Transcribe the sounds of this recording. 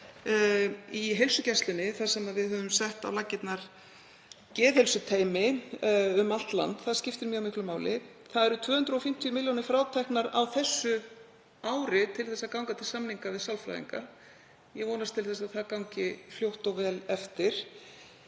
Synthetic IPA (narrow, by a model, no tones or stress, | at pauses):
iɦejlsʏcɛst̪lɪnːɪθasɛmaðvɪðhœːvʏmsɛht̪a̰wlacːɪt̪naɾ̥ | cɛːðhelsʏt̪ʰeːjmɪ | ʏmal̥t̪la̰nt̪θaðscɪft̪ɪɾmjʏœɣawmɪhklʏmaːwlɪ | θaðɛɾʏt̪ʰv̥œːhʏnt̪ɾɔfɪm̥t̪ʰjʏmɪljonɪfɾaːwt̪ʰɛhknaɾa̰wθɛsːʏ | aːwɾɪt̪ʰɪlθɛsːakawŋkat̪ʰɪlsamniŋkavɪðsalfɾa̰jðḭŋka̰ | jɛɣvɔːnast̪ʰɪlθɛsaðθaðkawŋcɪfljowht̪ɔɣvɛːlɛft̪ɪɾ̥